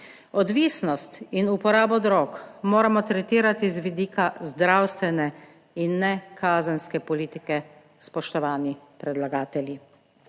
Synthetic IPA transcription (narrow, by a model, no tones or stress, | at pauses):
ɔd̪ʋiːsnɔst̪inupɔɾaːbɔd̪ɾɔːkmoːɾamɔt̪ɾɛt̪iːɾat̪izʋid̪iːkazd̪ɾawst̪ʋɛnɛ | inːɛkʰaːzənskɛpɔliːt̪ikɛ | spɔʃt̪ɔʋaːnipɾɛd̪laɡaːt̪ɛlji